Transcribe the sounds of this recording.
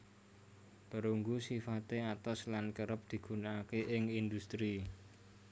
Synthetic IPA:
b̥ə̤ɾuŋɡusifat̪eat̪ɔslankəɾəp̚d̪̥i̤ɡ̥ṳnaːkeʔɪŋind̪ust̪ɾi

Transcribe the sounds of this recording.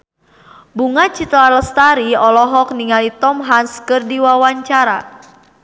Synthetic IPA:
buŋat͡ʃit̪laləst̪aɾiɔlɔɦɔk̚niŋalit̪ɔmɦanskɨrdiwawaɲt͡ʃaɾa

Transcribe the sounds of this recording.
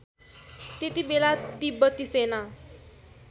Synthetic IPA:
t̪et̪ibelad̪ibːʌt̪isena

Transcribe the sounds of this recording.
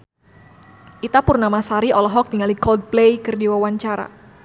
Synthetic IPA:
ʔit̪apʊrnamasaɾiʔɔlɔɦɔk̚t̪iŋalikɔld̪̚plejkɨrdiwawaɲt͡ʃaɾa̰

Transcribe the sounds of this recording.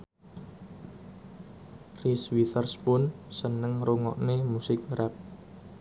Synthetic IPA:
riswit̪ərspʊnsənəŋɾuŋɔ̰ʔnemusɪk̚ɾʔɛp̚

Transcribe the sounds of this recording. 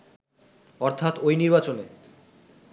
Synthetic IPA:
ɔɾt̪ʰat̪ojniɾbat͡ɕone

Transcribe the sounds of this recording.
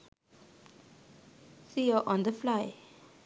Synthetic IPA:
sijɔʔɔ̃nd̪əflaɪ

